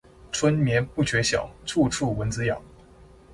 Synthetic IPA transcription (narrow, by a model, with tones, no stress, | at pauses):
ʈ͡ʂʰwə˥nmjɛ˧˥npu˥˩ɕɥɛ˧˥ɕjɑ̰˨˩ʊt͡sʰu˥˧ʈ͡ʂʰu˥˩wə˧˥nt͡sɹ̩˥jɑ̰˨˩˦ŋ